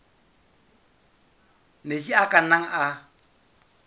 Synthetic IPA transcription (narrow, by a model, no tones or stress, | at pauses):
mesiakanaŋʔa